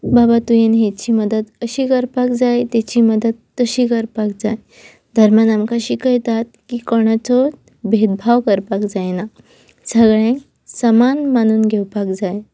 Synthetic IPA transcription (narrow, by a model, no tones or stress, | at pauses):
babat̪ujenɦet͡ɕiːməd̪əd̪əɕiːkəɾpakd͡zajt̪et͡ɕiːməd̪əd̪ːəɕiːkəɾpak̚d͡zaj | d̪ʱəɾmjanamkaɕiːkəjt̪at̪̚kiːkɔɽ̃at͡sot | bʱed̪̚bʱawkəɾpakd͡zajna | səɡɭẽŋk | səmanmanuːnɡʱewpakd͡zaj